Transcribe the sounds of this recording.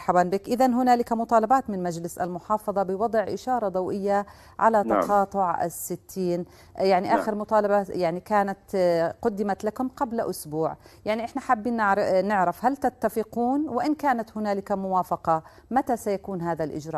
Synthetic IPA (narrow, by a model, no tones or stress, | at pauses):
ɾˤħabaːnbɪkʔɪðanɦʊnaːlɪkamʊt̪ˤɑːlɑbaːt̪mɪnmad͡ʒlɪsʔa̰lmʊħɑːfɑðˤɑbɪwɑd̪ˤʕʔɪʃɑːɾˤɑd̪ˤawʔɪjːa | ʕa̰lat̪ɑqɑːt̪ˤʊʕa̰sːɪt̪ʰːiːn | jaʕniʔaːxɪɾmʊt̪ˤɑːlɑbajaʕnikaːnat̪qʊd̪ːɪmat̪lakʊmqablʔʊsbuːʕjaʕniʔɪħnaħabːinʕnɪʕɾɪfhalt̪at̪ːafɪquːnwɪʔɪnkaːnat̪hʊnaːlɪkamʊwaːfɑqɑ | mat̪asajakuːnɦaːðalʔɪ̰d͡ʒɾɑ̰ːʔ